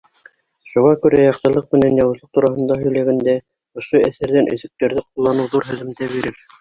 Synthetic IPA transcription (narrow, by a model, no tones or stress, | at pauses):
ʃuʁɑkʉɾæjɑqsɤ̆lˠɤq̚mɘ̆nænjɑwɤ̆zlˠɤq̚t̪uɾɑɦɤ̆nd̪ɑɦɵ̆jlæɡænd̪æ | ŏʃoæθæɾðænʔɵ̆ðɵ̆k̚t̪æɾðɘqulˠːɑnɤwðuɾɦɵ̆ðɘ̆mt̪æβiɾɘɾ